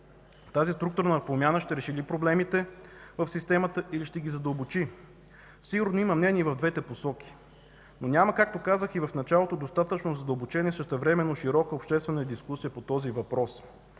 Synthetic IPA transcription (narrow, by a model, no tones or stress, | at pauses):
t̪azist̪ɾuk̚t̪uɾnəpɾomʲjanəʃt̪ɛɾɛʃilipɾoblɛmit̪ɛvəfsist̪ɛmət̪əiliʃt̪ɛɡizɐd̪əlˠbot͡ʃi | siɡʊɾnoiməmnɛniɛvɐvd̪vɛt̪ɛposɔk̟i̥ | nonʲaməkak̚t̪okazəxivəfnɐt͡ʃalˠot̪od̪ost̪at̪ət͡ʃnozɐd̪əlˠbot͡ʃɛnʲiɛsəʃt̪ɛvɾɛmɛnːoʃiɾɔkəopʃt̪ɛst̪vɛnəd̪iskusijəpot̪ɔzivɐpɾɔs